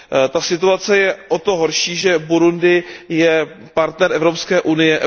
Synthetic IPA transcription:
t̪asɪt̪uat͡sɛjɛʔot̪o̞ɦo̞ɾʃiːʒɛbuɾundɪjɛ | paɾt̪nɛɾɛvɾo̞pskɛːʔunɪjɛʔ

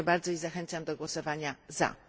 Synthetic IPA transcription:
baɾd̪zɔizaxɛntsamd̪ɔɡwɔsɔvaɲaza̰

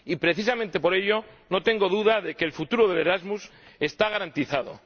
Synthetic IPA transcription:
ipɾe̞θis̬amẽnt̪e̞po̞ɾe̞ʎo̞no̞t̪e̞ŋɡo̞ðuðaðe̞ke̞ːlfut̪uɾoðe̞le̞ɾazmuse̞st̪aɣaɾant̪iθaðo̞̰

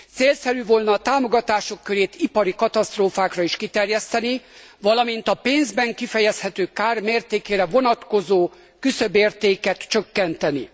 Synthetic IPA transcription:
t̪seːlsɛɾyːvolnɒːt̪aːmo̞ɡɒt̪aːʃo̞kːøɾeːt̪ʰipɒɾikɒt̪ɒst̪roːfaːkrɒiʃkit̪ɛrjɛst̪ɛni | vɒlɒmint̪ɒpeːnzbɛŋkifɛjɛshɛt̪øːkaːrmeːrt̪eːkeːɾɛvo̞nɒt̪ko̞zoː | kysø̞beːrt̪eːkɛt̪t͡ʃøkːɛnt̪ɛni

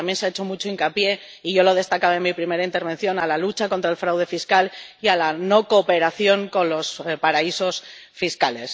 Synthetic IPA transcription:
mbje̞nseaet͡ʃo̞mut͡ʃo̞iŋkapje̞ | iʝo̞lo̞ð̞e̞st̪akaβaemipɾime̞ɾaint̪e̞ɾβe̞n̟θjo̞nalalut͡ʃako̞nt̪ɾaelfɾawðe̞fiskalialano̞ko̞pe̞ɾaθjo̞ŋko̞nlo̞spaɾaiso̞sfiskale̞s

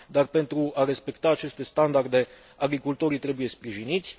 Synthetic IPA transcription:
d̪arpe̞nt̪ɾuaɾe̞spe̞kt̪aːt͡ʃe̞st̪e̞st̪and̪ard̪e̞ | aɡɾikult̪o̞ɾit̪ɾe̞buje̞spɾiʒinit̪sʲ

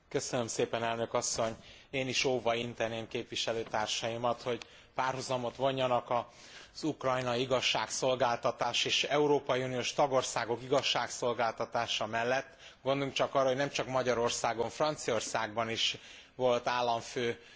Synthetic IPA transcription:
kø̞sønømseːpɛnɛlnø̞kɒsːo̞ɲ | eːniʃoːvɒint̪ɛneːmkeːpʋiʃɛløːt̪aːrʃɒimɒt̪ho̞ɟ | paːrhuzɒmo̞t̪ʋo̞ɲːɒnɒkɒ | z̥ukrɒjnɒiɡɒʃːaːkso̞lɡaːlt̪ɒt̪aːʃeːʃɛuɾoːpɒiunioːʃt̪ɒɡo̞rsaːɡo̞kiɡɒʃːaːkso̞lɡaːlt̪ɒt̪aːʃɒmɛlːɛt̪ː | ɡond̪luŋkt͡ʃɒkɒrːɒɦo̞ɟnɛmt͡ʃɒkmɒɟɒɾo̞rsaːɡo̞ɱfrɒnt̪sio̞rsaːɡ̚bɒniʃ | ʋo̞lt̪aːlːɒɱføː

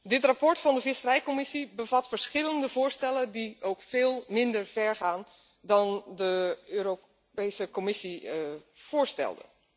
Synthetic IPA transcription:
dɪtrapɔɹtfɑndəvɪsərɛjkɔmɪsibəvɑtfəɹsχɪləndəvʊːɹstɛlədiowkfɪːlˠmɪndəɹv̥ɛɹχaːn | dɑndəøːɾo | pejsəkɔmɪsi | v̥ʊːɹstɛ̰lˠdə̰

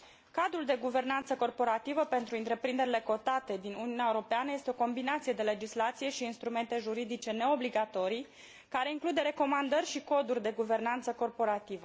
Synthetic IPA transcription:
kad̪ɾuld̪e̞ɡuve̞rnant̪səko̞rpo̞ɾat̪ivəpe̞nt̪ɾuɨnt̪ɾe̞pɾind̪e̞ɾile̞ko̞t̪at̪e̞d̪inuniuneaeuɾo̞peanəje̞st̪eo̞ko̞mbinat̪sije̞d̪e̞le̞d͡ʒislat̪sije̞ʃiːnst̪ɾume̞nt̪e̞ʒuɾid̪it͡ʃe̞ne̞o̞bliɡat̪o̞ɾij | kaɾe̞iŋklud̪e̞ɾe̞ko̞mand̪ərʲʃiko̞d̪urʲd̪e̞ɡuve̞rnant̪səko̞rpo̞ɾat̪ivə

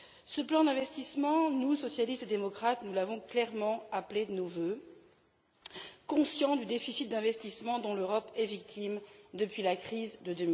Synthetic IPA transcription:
səplɑ̃d̪ɛ̃vɛst̪ismɑ̃nusɔsjalist̪ed̪emɔkχat̪nulavɔ̃klɛʁmɑ̃apled̪ənovø | kɔ̃sjɑ̃d̪yd̪efisit̪̚d̪ɛ̃vɛst̪ismɑ̃d̪ɔ̃løʁɔpɛvik̚t̪ʰimd̪əpɥilakχizd̪əd̪əmi

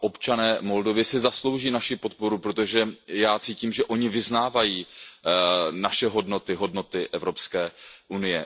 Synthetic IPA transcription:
ʔo̞pt͡ʃanɛːmo̞ldo̞vɪsɪzaslo̞wʒiːnaʃɪpo̞t̪̚po̞ɾupɾo̞t̪oʒɛjaːt͡siːciːmʒɛʔo̞ɲɪvɪznaːvajiː | naʃɛɦo̞dno̞t̪ɪɦo̞dno̞t̪ɪʔɛvɾo̞pskɛːʔunɪjɛ

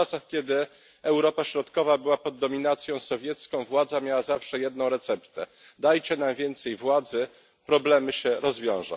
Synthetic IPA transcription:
asaxkʲɛd̪ɘ | ɛwɾɔpaɕɾɔt̪kɔvabɘwapɔd̪ːɔmʲinat̪sʲjɔ̃w̃sɔvʲjɛt̪skɔ̃w̃vwad̪zamʲjawazafʂɛjɛd̪̚nɔ̃w̃ɾɛt̪sɛpt̪ɛ | d̪ajt͡ɕɛnamvʲjɛnt̪sɛjvwad̪zɘ | pɾɔblɛmɘɕɛɾɔzvʲjɔ̃w̃ʐa̰

